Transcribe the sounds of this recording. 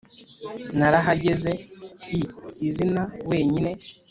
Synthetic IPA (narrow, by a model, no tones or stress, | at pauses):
naɾaɦaɟe̞zeiizinawe̞ːɲine̞